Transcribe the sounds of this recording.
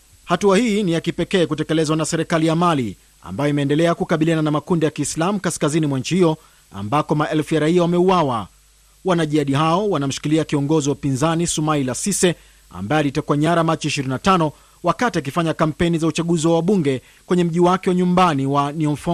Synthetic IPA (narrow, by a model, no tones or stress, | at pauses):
hatuahiːnijakipɛkɛːkutɛkɛlɛzwanasɛɾɛkalijamali | a̰mbajɔimɛːndɛlɛakukaɓiliananamakundijakiːslamukaskazinimwanɲ̩t͡ʃihijɔ | a̰mbakɔmaʔɛlfujaɾaiawamɛuwawa̰ | wanaʄiaɗiɦaɔwanam̩ʃi̥kiliakiɔŋɡɔziwaupinzanisumailasisɛ | a̰mbajɛalitakuaɲaɾamat͡ʃiiʃiɾinatanɔ | wakatiak̬ifaɲakam̩pɛnizaut͡ʃaɠuziwawaɓuŋɡɛ | kwɛɲɛm̩ʄiwakɛwaɲumbaniwaniɔnfɔ